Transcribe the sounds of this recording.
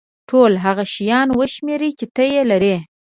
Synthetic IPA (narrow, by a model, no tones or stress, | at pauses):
ʈʰolɦaɣaʃijɑnwəʃmeɾit͡ʃɪt̪əjelaɾe